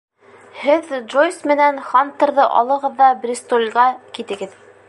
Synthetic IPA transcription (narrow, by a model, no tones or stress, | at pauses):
hɘðʒojsmɘ̆nænχant̪ɤ̆ɾðɤʔɒ̰lˠɤ̆ʁɤ̆ðːɑbrʲist̪olʲʁɑkit̪ɘ̆ɡɘð